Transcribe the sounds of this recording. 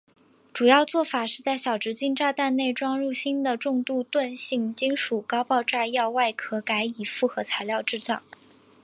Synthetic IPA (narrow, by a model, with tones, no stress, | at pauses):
ʈ͡ʂu˨˩jɑ˥˧ʊt͡swɔ˥˩fa˨˩ʂɻ̩˥˧t͡sa˥˩ɪɕjɑ˨˩ʊʈ͡ʂɻ̩˧˥t͡ɕi˥˧nʈ͡ʂa˥˧t̪a˥˧nne˥˩ɪʈ͡ʂwɑ˥ŋɻu˥˩ɕi˥nd̪ə˨ʈ͡ʂʊ˥˧ŋt̪u˥˧t̪wa˥˧nɕi˥˩ŋt͡ɕi˥ŋʂu˨˩kɑ˥ʊpɑ˥˧ʊʈ͡ʂa˥˧jɑ˥˧ʊwa˥˩ɪkʰɤ˧˥ka˧˥ɪi˨˩fu˥˩xɤ˧˥t͡sʰa˧˥ɪljɑ˥˧ʊʈ͡ʂɻ̩˥˧t͡sɑ̰˥˩ŋ